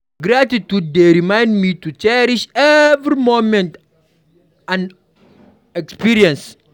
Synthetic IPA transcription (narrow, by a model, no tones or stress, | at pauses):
ɡɾatitud̚deɾimãj̃ndmitut͡ʃɛɾiʃɛvɾimomɛ̃nt | ãn | ɛkspiɾiɛ̃ns